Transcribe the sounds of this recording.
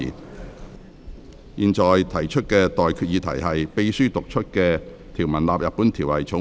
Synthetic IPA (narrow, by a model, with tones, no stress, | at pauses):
ḭː˨˩n | jiː˨nt͡ʃɔː˨˩jt̪ʰɐ˨˩jt͡ʃʰɵ˥t̚kɛː˧t̪ɔː˨jkʰyː˧t̚jiː˨˧t̪ʰɐ̰˨˩jɦɐ˨jpe˧˥jsyː˥t̪ʊ˨k̚t͡ʃʰɵ˥t̚kɛː˧ | t̪ʰiː˨˩wmɐ˨˩nlaː˨p̚jɐ˨t̚pːuː˨˥nt̪ʰiː˨˩wlɐ˨˩jt͡sʰʊ˨˥